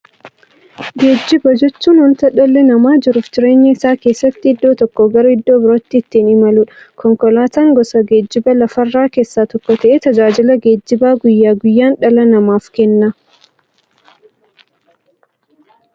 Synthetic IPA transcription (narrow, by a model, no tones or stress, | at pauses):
ɡeːd͡ʒːɪbɐd͡ʒɛt͡ʃːuːnwɔnt̪ɐᶑɔlːɛnɐmaːd͡ʒɪɾʊft̪ɪɾe̞ːɲːɐɪsaːkeːsːɐt̪ːɪɪd̪ːoːt̪ɔkːɔɡɐɾɔɪd̪ːoːbɪɾɔt̪ːɪːt̪ːiːnɪmɐluːᶑɐ̥kʰɔŋkɔlaːt̪aːŋɡɔsɐɡeːd͡ʒːɪbɐlɐfɐrːaːkeːsːaːt̪ɔkːɔt̪ɐʔeːt̪ɐd͡ʒaːd͡ʒɪlɐɡeːd͡ʒːɪbaːɡʊjːaːɡʊjːaːnᶑɐlɐnɐmaːfkɛnːa